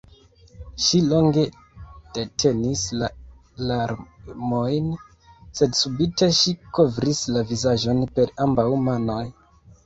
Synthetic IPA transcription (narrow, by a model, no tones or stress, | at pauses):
ʃilo̞ŋɡe̞ | d̥e̞tʰe̞nisla | laɾmo̞jn | se̞dsubitʰe̞ʃiko̞vɾislavizaʒo̞npe̞ɾambawmano̞j